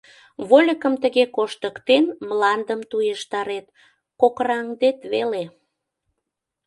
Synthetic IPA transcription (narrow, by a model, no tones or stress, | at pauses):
βolʲəkəmt̪əɣekoʃt̪əkt̪enmlɑnd̪əmt̪ujeʃt̪ɑɾet̪̚ | kokrɑŋd̪et̪βele